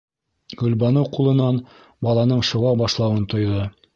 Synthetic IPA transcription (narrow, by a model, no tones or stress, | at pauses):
ɡɵ̆lbɑnɤwqulˠɤ̆nɑn | bɑlˠɑnɤɴʃŭʁɑbɑʃlˠɑwɤnt̪ŏjðɤ